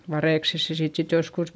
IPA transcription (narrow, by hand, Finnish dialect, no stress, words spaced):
ʋɑreˑkses se siːt sit joskus